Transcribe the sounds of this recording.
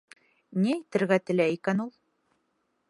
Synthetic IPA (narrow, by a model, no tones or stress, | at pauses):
niæjt̪ɘ̆ɾɡæt̪ɘ̆læikænulˠ